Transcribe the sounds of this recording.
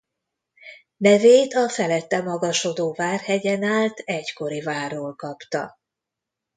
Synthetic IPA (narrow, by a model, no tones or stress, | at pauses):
nɛveːt̪ɒfɛlɛt̪ːɛmɒɡɒʃo̞d̪oːvaːrhɛɟɛnaːlt̪ɛɟko̞ɾivaːrːoːlkɒpt̪ɒ̰